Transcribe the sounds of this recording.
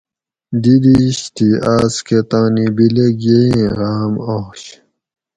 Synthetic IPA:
d̪id̪iɕt̪iaːsket̪ãːnibileɡjeĩɣaːmoɕ

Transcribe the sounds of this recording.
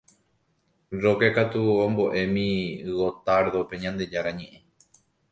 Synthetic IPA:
ɾo̞kekat̪uõmbo̞ʔe̞mĩɨwot̪aɾðope̞ɲãnd̪e̞d͡ʒaɾaɲẽ̞ʔẽ̞

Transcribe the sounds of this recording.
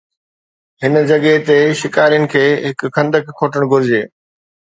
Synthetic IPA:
ɦɪnd͡ʑɐɠet̪eʃɪkaːɾijənɪ̆kʰeːɦɪkkʰːɐ̃nd̪əkkʰːoːʈəɽ̃ɡʱʊɾɪd͡ʑeː

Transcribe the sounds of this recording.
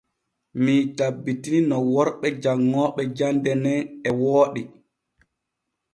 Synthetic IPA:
mitabːitininɔwɔɾɓɛd͡ʒaŋːɔːɓɛd͡ʒandɛnɛɛwɔːɗi

